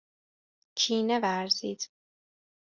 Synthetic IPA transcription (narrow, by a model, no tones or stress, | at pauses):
t͡ʃʰiːnevæɾziːd̪̥